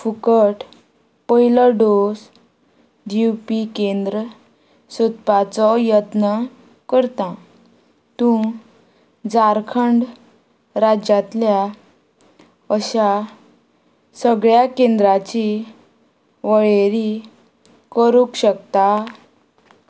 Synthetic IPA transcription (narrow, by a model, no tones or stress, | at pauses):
fukəʈ | pəiləɖos | d̪iwpikend̪ɾə | sut̪pat͡sɔjət̪nə | kəɾt̪ã | t̪ũ | d͡zaɾkʰəɳɖ | ɾad͡ʑat̪lja | əɕa | səɡɭjakẽnd̪ɾat͡ɕi | ʋəɭeɾi | kəɾukɕəkt̪a